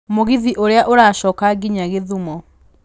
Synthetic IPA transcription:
moɣiðiʔoɾeaʔoɾaʃɔːkaɡiɲaɣeðumɔ

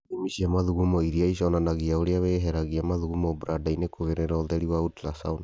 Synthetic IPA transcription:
imisiamaðuɣumɔiɾiaisɔnanaɣiaoɾiaβeːɦɛɾaɣiamaðuɣumɔbuɾadainekoɣeɾeɾɔðɛɾiwautlasa̰ona

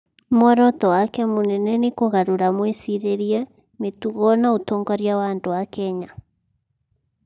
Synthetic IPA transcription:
mɔɾɔt̪ɔwakɛmonɛnɛnekoɣaɾoɾamwesiɾeɾiɛ | metuɣɔnaotɔŋɡɔɾjawandoakɛɲa

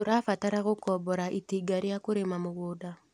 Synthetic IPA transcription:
oɾafataɾaɣokɔbɔɾaʔitiɡaɾiakoɾemamoɣoda

